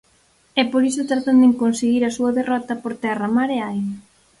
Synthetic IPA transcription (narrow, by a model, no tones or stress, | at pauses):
ɛpoɾisot̪ɾat̪and̪eŋkonseɣiɾɐsuɐðerɔt̪ɐpoɾt̪ɛramaɾeajna